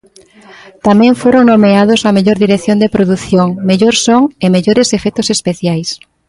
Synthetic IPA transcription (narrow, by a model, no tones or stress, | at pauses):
t̪amɛ̃ɱfoɾoŋnomeaðosɐmeʎoɾðiɾeθjond̪epɾoðuθjoŋmeʎoɾsoŋemeʎoɾesefɛt̪ʊsespeθjajs